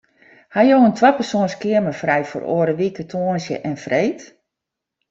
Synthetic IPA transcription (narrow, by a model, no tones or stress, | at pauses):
hajoəntʰʋapərsoːnskɪərməfrɛjfo̰ro̰ːəɾəʋikətʰoːənsjə̰ʔɛnfrejt